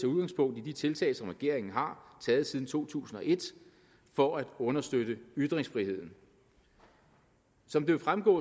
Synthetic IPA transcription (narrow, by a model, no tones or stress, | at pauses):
euðˠɡ̥ɑ̈ŋspʰɔ̽ŋ̰d̥id̥it͡sʰe̝lt͡sʰɛ̰ːɪlsɒ̽mʁɛɡ̥e̝ɐ̰e̝ŋn̩ɦɑ̈t͡sʰɛːð̞̩ˠsiːð̞ˠn̩t͡sʰo̝̰ːt͡sʰṵːsn̩ɒ̽ʔe̝d̥ | fɒ̽æd̥ɔ̽nɐsd̥øɾ̥əyd̥ʁeŋsfʁihe̝ð̰ˠn̩ | sɒ̽md̥e̝fʁamɡ̥ɔ̰̽ː